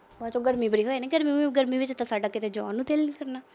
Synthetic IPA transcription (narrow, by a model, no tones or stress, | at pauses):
baːt͡ʃoːɡəɾmĩːbəɽiːɦoːeːnẽːɡəɾmiːɡəɾmiːʋɪt͡ʃt̪ãːsaːɖaːkɪt̪eːd͡ʒɔ̰̃ːnːũːt̪eːlnĩːkəɾnaː